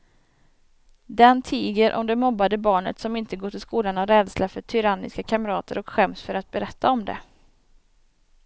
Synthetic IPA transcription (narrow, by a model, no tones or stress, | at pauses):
d̪ɛnt̪ʰiːɡəɾʔɔ̰md̪ɛmɔbːad̪əbɑːɳə̰t̪sɔmɪnt̪əɡoːʈʰɪlskuːlanaɾɛːd̪slafœʈʰʏɾanːɪ̰skakʰaməɾɑːt̪ʰə̰ɾɔkɧɛmsfœɾat̪̚bɛɾɛt̪ʰːaɔmd̪ɛ̰